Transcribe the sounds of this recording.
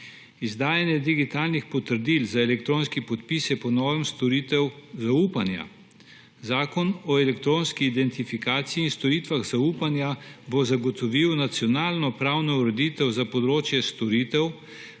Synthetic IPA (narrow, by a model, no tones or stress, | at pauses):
izd̪aːjanjɛd̪iɡit̪aːlnixpɔt̪əɾd̪iːlzaɛlɛkt̪ɾoːnskipɔt̪pisɛpɔnɔːʋɛmst̪ɔɾit̪ɛwzauːpanja̰ | zaːkɔnɔɛlɛkt̪ɾoːnskiːd̪ɛnt̪ifikaːt̪sijiːnst̪ɔɾiːt̪ʋaɣzauːpanjabɔzaɡɔt̪ɔʋiwnat̪sjɔnaːlnɔpɾawnɔuɾɛd̪it̪ɛwzapɔd̪ɾoːt͡ʃjɛst̪ɔɾiːt̪ɛw